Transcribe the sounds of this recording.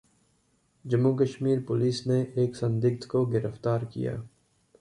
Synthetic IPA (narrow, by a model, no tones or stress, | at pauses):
d͡ʒɐmːuk̬əʃmiːɾpʊliːsneʔeːksɐ̃nd̪ɪk̚t̪koɡɪɾəft̪aːɾkḭja̰ː